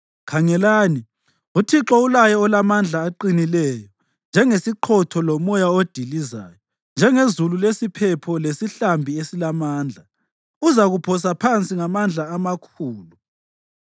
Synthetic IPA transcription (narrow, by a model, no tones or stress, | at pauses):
kʰaŋɛlaːni | utʰiǁɔulajɔɔlamand͡ɮʱaːǃinilɛjɔ | nd͡ʒʱɛŋesiǃʰɔtʰɔlomɔjaod̥ʱiliza̰ːjɔ | nd͡ʒʱɛŋezululesipʰɛpʰɔlesiɬambʱiesilamaːnd͡ɮʱa | uzaɣupʰɔs̬apʰant͡sʼiŋamand͡ɮʱaamakʰuːlu